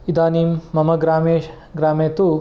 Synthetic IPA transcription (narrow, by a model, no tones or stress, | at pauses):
id̪aːniːmːɐmɐɡɾaːmeːʃ | ɡɾaːmeːt̪u